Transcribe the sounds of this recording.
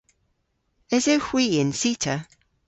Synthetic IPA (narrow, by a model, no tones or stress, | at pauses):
ɪzəhw̥iːɪ̃nsiˑtʰə